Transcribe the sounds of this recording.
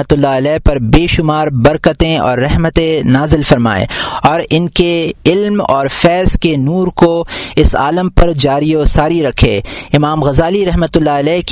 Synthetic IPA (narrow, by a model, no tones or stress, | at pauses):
ət̪ʊlːaɐlɛːpɐɾbeːʃʊmaːɾbɐɾkət̪ẽɔ̰ːɾːɛɦmət̪ẽnaːzɪlfɐɾma̰ːḛɔːɾɪnkeɪlmɔːɾfɛːskenuːɾkoɪsa̰ːləmpɐɾd͡ʒaːɾiosaːɾiɾɐkʰḛːɪmaːmɣɐzaːliɾɛɦmət̪ʊlːaɐlɛːk